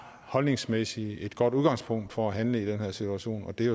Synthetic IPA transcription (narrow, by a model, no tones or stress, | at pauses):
hɒ̽lne̝ŋsmesie̝d̥ɡ̥ɒ̽d̥uðˠɡ̥ɑ̈ŋ̰spʰɔ̽ŋ̰d̥fɒæɦænləid̥enheɐ̰sit͡sʰuæɕo̝̰ːnɒ̽d̥e̝